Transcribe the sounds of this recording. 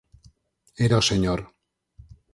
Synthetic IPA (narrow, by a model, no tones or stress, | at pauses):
eɾoseɲoɾ